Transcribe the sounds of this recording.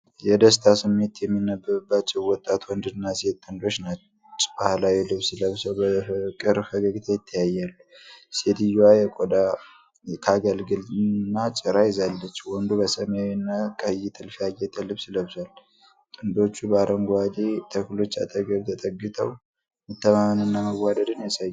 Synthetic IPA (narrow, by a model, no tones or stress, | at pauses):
jɛd̪əst̪ʰasɨmːe̞t̪jɛmːinːəbːəbːat͡ʃːɛwwɔt̪ʼːat̪ʰwɔnd̪ɨnːaset̪ʼːɨnd̪o̞t͡ʃːnat͡ʃ | t͡ʃʼːbahlajɛlɨβsɨləβsəwbəkʼɨɾhəɡəɡt̪ʰajɪt̪ʰːəjajːalːused̪ɨjwajɛkʼod̪a | kʰaɡəlɡɨlnːat͡ʃʼɪɾajɪzalːət͡ʃːwɔnd̪ubəsəmawinːakʼəjːit̪ʰɨlfijajɛt̪ʰəlɨβsɨləβsal | t̪ʼɨnd̪o̞t͡ʃːubaɾəŋɡʷad̪et̪ʰəklo̞t͡ʃːa̰t̪ʼəɡəβt̪ʰət̪ʼəɡːɨt̪ʰə̰w | mɨt̪ːəmamənɨnːaməwːad̪əd̪ɨnjɛsəjː